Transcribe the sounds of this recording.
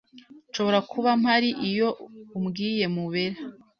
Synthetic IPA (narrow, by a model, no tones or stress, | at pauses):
nʃo̞βo̞ɾakʰuβam̥haɾiʔijo̞umɡiːje̞muβeɾa